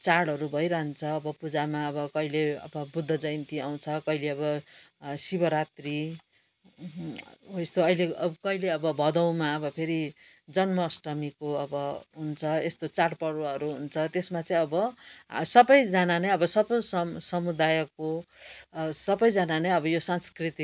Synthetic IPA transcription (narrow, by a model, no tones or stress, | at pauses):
t͡saɽʌɾubʱʌjɾʌɦnt͡sʰʌːbʌpud͡zamaʌbʌkʌileʌ̰bʌbud̪ʱːʌd͡zʌjnt̪iaw̃t͡sʰʌkʌɦileʌbʌ | sibʌɾat̪ri | est̪oʌileʌkʌileʌbʌbʱʌd̪ʌw̃maʌbʌpʰeɾi | d͡zʌnmʌsʈʌmikoʌbʌɦunt͡sʰʌest̪ot͡saɽpʌɽoɦʌɾuɦunt͡sʰʌt̪esmat͡saĩʌbʌsʌbʌjd͡zananejʌbʌsʌbʌsʌmsʌmud̪ajʌkːo | sʌbʌjd͡zananeʌbʌjosanskrit̪i